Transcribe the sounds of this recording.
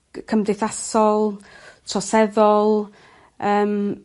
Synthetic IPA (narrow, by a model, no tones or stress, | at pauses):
kʰəmdɪθasɔlˠtʰrɔsɛðɔlˠ | əːm